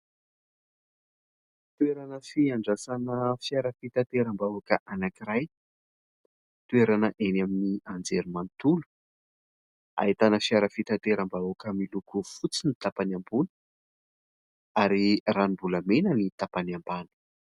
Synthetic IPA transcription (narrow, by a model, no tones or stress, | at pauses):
t̪ueɾanəfiaɳɖ͡ʐasanəfjaɾəfit̪at̪eɾambaakəʔanakiɾaj | t̪ueɾanəʔenaminiand͡zeɾimant̪ulu̥ | a̰ɦit̪anəfiaɾəfit̪at̪eɾambaukəmilukufut͡sinit̪apanambul | aɾiranimbuləmenənit̪apanambanu̥